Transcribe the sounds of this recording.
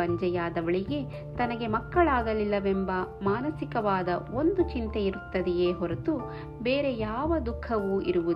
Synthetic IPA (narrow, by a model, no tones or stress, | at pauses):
ɐɲd͡ʒɐjaːd̪ɐʋɐɭiɡe̞ | t̪ɐnɐɡe̞mɐkːɐɭaːɡɐlilːɐʋembɐmaːnɐsikɐʋaːd̪ɐo̞nd̪ut͡ʃint̪eiɾut̪ːɐd̪ijeːɦɔɾet̪u | be̞ːɾe̞jaːʋɐd̪ukʰːɐʋuʔḭɾuʋu